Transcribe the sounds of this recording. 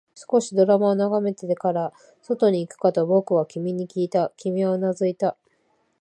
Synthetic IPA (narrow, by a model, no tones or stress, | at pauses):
sɨ̥ko̞ɕid̪o̞ɾamaonaɡame̞t̪ed̪ekaɾa | so̞t̪o̞ɲ̟iːkɯ̟̥kat̪obo̞kɯ̟βakʲimʲiɲ̟ikʲiːt̪akʲimʲianazɨit̪a